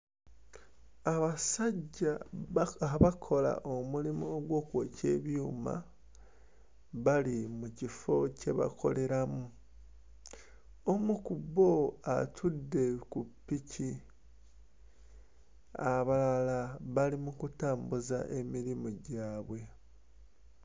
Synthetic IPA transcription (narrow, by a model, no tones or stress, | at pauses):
aβasaɟːa | akʰo̞la̰ʔomulimuoɡwo̞ːkwoce̞ːβjuːma̰ | βalimucifo̞ce̞βa̰kʰo̞̰le̞ɾamu | omukubo̞atʰudːe̞kupːici | aβalalaβalimukutaːmbuza̰ʔe̞miɾimuɟaːβwe̞